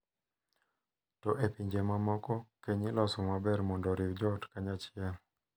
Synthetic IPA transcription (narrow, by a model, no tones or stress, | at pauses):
tɔʔepiɲd͡ʒɛmamɔkɔkɛɲilɔsumabɛɾmɔndɔɾiwd͡ʒɔtkaɲat͡ʃia